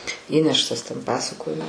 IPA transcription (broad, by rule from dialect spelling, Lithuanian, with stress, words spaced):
ˈiːnʲɛʃtɐs tʲɛn ˈpɑːsɐkoːjoː